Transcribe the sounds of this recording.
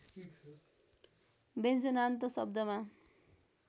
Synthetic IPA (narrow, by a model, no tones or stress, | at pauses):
bent͡sʌnant̪ʌsʌbd̪ʌma